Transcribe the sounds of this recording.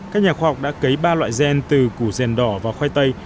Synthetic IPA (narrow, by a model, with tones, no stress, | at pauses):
kaː˦˥k̚ɲaː˨˩xwaː˧hk͡p̚ɗa̰ː˧˥kə˨˦jɓaː˧lwa̰ː˧˨jzɛ˧nt̪ɨ˨˩ku˧˩zɛ˨˩nɗɔ˧˩vaː˨˩xwa˧jt̪ə˧j